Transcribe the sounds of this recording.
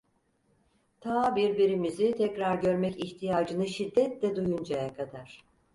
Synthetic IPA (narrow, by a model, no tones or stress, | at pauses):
t̪ʰaːbiɾbiɾimizit̪ʰɛcɾaɾɟø̞ɾmɛciçt̪ʰijaːd͡ʒɯnɯʃid̪ːɛt̪lɛd̪ujund͡ʒajakʰad̪aɾ̥